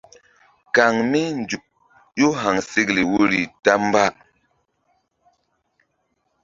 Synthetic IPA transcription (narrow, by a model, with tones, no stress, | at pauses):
ka˨ŋmi˦nd͡ʒu˨ | jo˦ɦa˨ŋsi˦kli˨wo˦ɾi˨ta˦mba˦